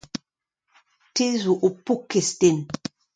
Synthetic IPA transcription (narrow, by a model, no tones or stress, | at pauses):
tizuʔupukesten